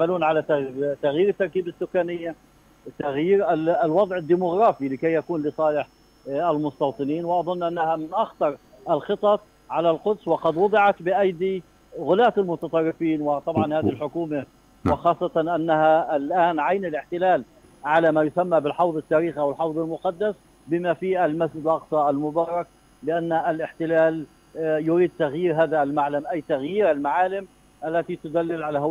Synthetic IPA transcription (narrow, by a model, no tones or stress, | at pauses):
amaluːnʕalat̪t̪ːaɣjiːɾɪt̪ːɑɾˤkiːbɪsːʊkːaːnɪjːa | t̪aɣjiːɾalwɑd̪ˤʕɪd̪ːimʊɣɾˤɑːfilɪkajːakuːnlɪsˤɑːlɪħ | ʔɪlmʊst̪ɑwt̪ˤɨniːnwɪʔɑðˤʊnːʔanːahamɪnʔaxt̪ɑɾˤ | ʔɪlxɨt̪ˤɑt̪ˤ | ʕalalqʊd̪swɪqɑd̪wʊd̪ˤɪʕɑt̪bɪʔajd̪i | ɣʊlaːt̪ɪlmʊt̪ɑt̪ˤɑrˤːɪfiːnwɪt̪ˤɑbʕɑnhaːðɪhɪlħʊkuːma | wɪxɑːsˤːɑt̪ɑnʔanːaɦaɪlʔaːnʕajnalʔɪħt̪ɪlaːl | ʕalamaːjʊsamːabɪlħɑwðˤɪt̪ːaːɾiːxʔawɪlħɑwðˤɪlmʊqɑd̪ːas | bɪmafiːʔalmasd͡ʒɪd̪lʔɑqsˤɑalmʊbɑːɾˤɑk̚ | lɪʔanːalʔɪħt̪ɪlaːl | jʊɾiːd̪̚t̪aɣjiːɾɦaːðalmaʕlamʔajːt̪aɣjiːɾalmaʕaːlɪm | ʔalːat̪it̪ʊd̪alːɪlʕalah